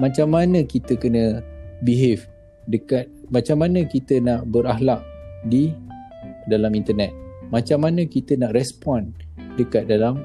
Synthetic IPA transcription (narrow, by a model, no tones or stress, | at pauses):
mãt͡ʃamːanəkit̪əkənə̃biɦef | dəkat̪̚mat͡ʃamːanə̃kit̪ənaʔbərahlaʔ̚di | dalamint̪ənɛt̪̚mãt͡ʃamːanə̃kit̪ənaʔrɛspɔn | dəkat̪̚dalam